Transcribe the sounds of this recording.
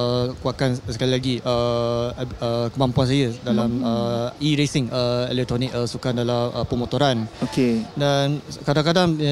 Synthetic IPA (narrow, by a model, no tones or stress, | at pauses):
kuakansə̥kalilaɡiʔə | əkəmãmpuans̬ajədalaməiɾesɪŋəḛlɛk̚t̪ɾonik̚əsukandalaʔəpəmõt̪oɾanokedankadaŋkadaŋ